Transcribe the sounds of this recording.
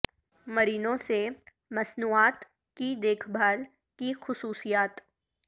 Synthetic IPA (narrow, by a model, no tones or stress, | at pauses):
məɾiːnõse | mɐsnuːaːt̪ | kid̪eːkʰbʱaːl | kixʊsuːsijaːt̪